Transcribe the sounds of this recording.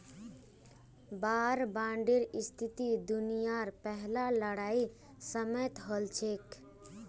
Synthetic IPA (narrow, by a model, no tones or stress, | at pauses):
baːɾbãɳɖiɾist̪ʰit̪id̪unijaɾpɛɦlaləɽai | səmət̪ɦəlt͡ʃʰek